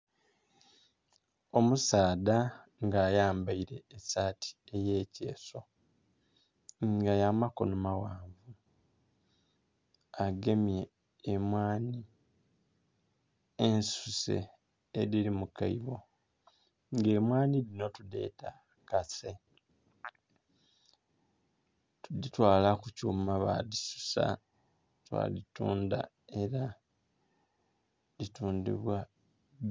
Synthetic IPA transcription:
o̞musaːdaŋɡaːjaːmbaiɾe̞ːsaːtʰi̥e̞je̞ːce̞̰ːso̞ | ɡajamako̰numawaːɱvu | aɡe̞meː | mwaːni | ensusḛ | eɾiɾimukaiβo̞ | ŋɡe̞ːmwaːnilino̞tude̞̰ːta | kase | tuditwaːlakucuːmaβa̰ðisu̥sa̰ | twa̰ːlituːnda̰ | e̞ɾa | ituːndḭβwa

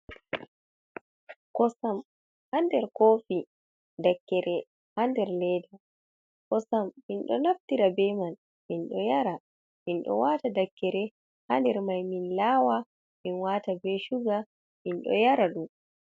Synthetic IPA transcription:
kɔsam | handɛɾkoːfi | dakːɛɾɛ | handɛɾlɛda | kɔsamːinɗɔ̰naftiɾabɛman | minɗɔjaɾa | minɗɔ̰watadakːɛɾɛ | handɛɾmajminlaːwa | minwatabɛʃuɡa | minɗɔ̰jaɾaɗum

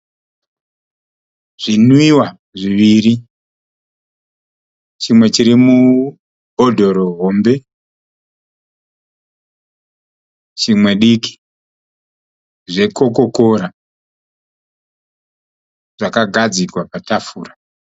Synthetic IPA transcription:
ʐ̥inwiwa | ʐiʋiɾi | t͡ʃimwe̞t͡ʃiɾimu | odʱo̞ɾo̞ɦo̞mbe̞ | t͡ʃimwe̞ɗiki̥ | ʐe̞ko̞ko̞koɾa | ʐ̥akaɡʱad͡zikwapatafuːra

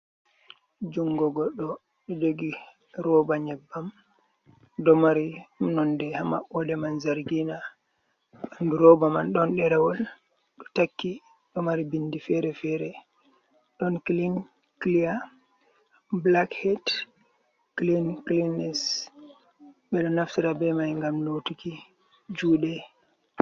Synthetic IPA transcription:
d͡ʒuŋɡɔɡɔɗːɔ | ɗɔd͡ʒoɡi | ɾɔbaɲɛbːam | dɔmaɾimnɔndɛhama̰ɓɔdɛmanzaɾɡina | anduɾɔbamanɗɔnɗɛɾawɔl | ɗɔ̥takːi | ɗɔmaɾibindifɛɾɛfɛɾɛ | ɗɔnklin | klija | blakhɛd | klinklinːɛs | ɓɛɗɔnaftiɾabɛmajŋɡamnotuki | d͡ʒuːɗɛ

